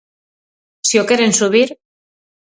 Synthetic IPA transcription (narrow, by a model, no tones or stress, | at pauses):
siokeɾensuβ̞iɾ